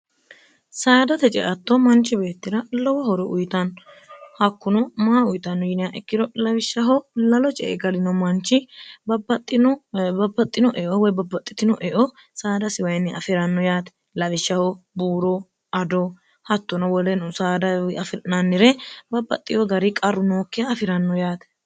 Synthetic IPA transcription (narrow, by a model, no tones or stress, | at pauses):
saːd̪ɐt̪ɛt͡ʃʼɛ̰ʔɐt̪ːɔmɐnt͡ʃːɪbe̞ːt̪ːɪɾɐlɔwɐhɔɾɔʔʊjt̪ɐn | hɐkːʊnɔmaːʊjt̪ɐnːɔjɪnɪjaʔɛkːɪd̪ɔlɐwɪʃːɐɦɔlɐlɔt͡ʃʼɛ̰ʔɛ̰ɡɐlɪnɔmɐnt͡ʃːɪbɐbɐt̪ʼːɪnbɐbːɐt̪ʼːɪnɔʔɛʔɔwɔjbɐbːɐt̪ʼːɪ̥t̪ɪnɔʔɛʔɔ | saːd̪ɐsɪwɐjnːɪʔɐfɪɾɐnːɔjaːt̪ɛ̥ | lɐwɪʃːɐhɔbuːɾɔ | ɐd̪o | hɐt̪ːɔnɐwɔlɛnsaːd̪ɐɐfnɐnːɪɾɛbɐbːɐ̰t̪ʼːɪjɔɡɐɾɪkʼɐɾːʊnoːkːɪjɐːfɪɾɐnːɔjaːt̪ɛ̥